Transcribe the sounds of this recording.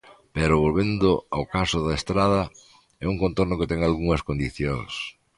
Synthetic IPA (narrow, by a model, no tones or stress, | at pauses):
pɛɾʊβolβend̪ʊawkasʊðɐest̪ɾaðɐ | ɛuŋkõnt̪oɾnʊket̪ɛŋalɣuŋɐskond̪iθjoŋs